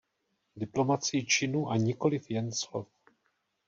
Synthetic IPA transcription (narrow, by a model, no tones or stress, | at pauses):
dɪplo̞mat͡sɪjit͡ʃɪnuʔaɲɪko̞lɪfjɛnslof